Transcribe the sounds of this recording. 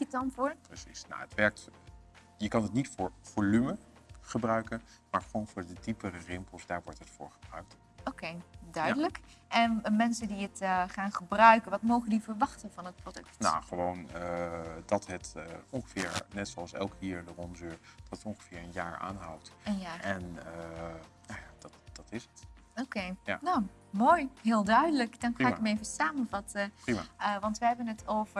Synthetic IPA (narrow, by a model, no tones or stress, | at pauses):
ətɑnvʊːprəsisna̰ətʋɛɹk̚t | jəkɑnətnitfʊːɹv̥oːlymə | χəbrœɥkən | maːɹχəʋownvʊːɹdədipərərɪmpəl̩ˠsdaːɹʋɔɹtɦətfʊ̰ːɹχəbrœɥk̚t | okejdœɥdələkɛnmɛnsəndiətχaːnχəbrœɥkənʋɑtmowχəndivəɹʋɑχtənvɑnət̚prodɵk̚tna̰χəʋown | dɑtɦətɔŋχəvɪ̰ːɹnɛtsoɑlˠsɛ̰lˠkiːɹdərɔnzøːɹd̥ɑtətɔŋχəvɪːɹənjaːɹa̰ːnɦawtənjaːɛn | jad̥ɑtd̥ɑtɪsətokejanow | moːjɦɪːlˠdœɥdələkd̥ɑnxaːɪkmevəsaːmənvɑtəprimaəʋɑntʋəɦɛbənətʰowvə